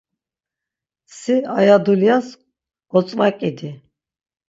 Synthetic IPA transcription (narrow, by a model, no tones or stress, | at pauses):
siajad̪uljas | ɡɔt͡sʼvakʼid̪i